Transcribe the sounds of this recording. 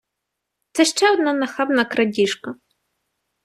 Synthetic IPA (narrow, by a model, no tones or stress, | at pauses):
t̪sɛʃt͡ʃɛɔd̪nanɐxɑbnɐkɾɐdʲiʃkɐ